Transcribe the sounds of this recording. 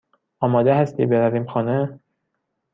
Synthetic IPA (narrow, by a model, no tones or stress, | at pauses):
ɒːmɒːd̪ehæst̪ʰḭːbe̞ɾæviːmxɒːne